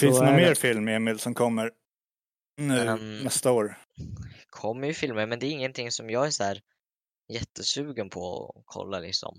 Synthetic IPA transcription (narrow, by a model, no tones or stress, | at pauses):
fɪnt̪nɔnmeːɾfɪlmɪeːmɪlsɔmkʰɔmːəɾ | nʉ̟ːnɛst̪aoːɾ | kʰɔmːəjɵfɪlməɾmɛnd̪ɛːɾɪŋːənt̪ʰɪŋːsɔmjɑːɡæʂæːɾ | jɛt̪ʰːəsʉ̟ːɡənpʰɔɔ̰kʰɔ̰lːalɪ̰ksɔ̰m